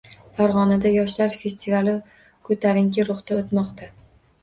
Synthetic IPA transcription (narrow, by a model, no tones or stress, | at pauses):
faɾʁɒnad̪ajɒʃlaɾfʲe̞sʲt̪ʰivalɪ | kʰɵt̪ʰaɾɪŋkʲɪɾʊχt̪aot̪mɒqt̪ʰa